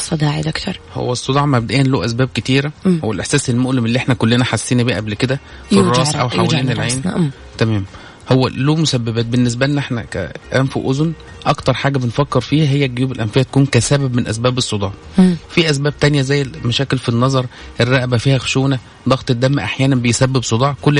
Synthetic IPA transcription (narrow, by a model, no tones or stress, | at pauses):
sˤːɑd̪iːʕid̪kt̪ɑɾˤho̰wːæsˤːod̪ˤɑʕmæb̚d̪æʔeːænloːʔæsbæːb̚ket̪iːɾæhowːælʔeħsæːselmoʔlemelːiːʔeħnækolːenæħasːiːnbiːʔæblked̪æ | firˤːɑːsʔæwħlawæiːnelɾʕeːn | t̪æmæːm | howːæloːmosæbːebæːt̪̚benːes̬bælenːæʔeħnæ̰kæ̰ʔæmfṵʔozn | ʔɑkt̪ɑɾˤħaːɡæbenfækːeɾfiːhæɦejːæɡejuːbelʔæmfehæt̪æ̥kuːnkæsæbæbmenʔæ̰sbæːbesˤːod̪ˤɑːʕ | fiʔæs̬bæːb̚t̪ænjæzæjːemæʃæːkelfinːɑzˤɑɾˤ | ʔerːæʔbæfiːhæxʃuːnæ | d̪ˤɑɣt̪ˤed̪ːæmːæʔaħjæːnæmbejsæbːebsˤod̪ˤɑʕkolː